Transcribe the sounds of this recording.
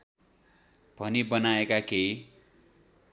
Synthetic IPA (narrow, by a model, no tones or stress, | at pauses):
b̥ʱʌnibʌnaekakej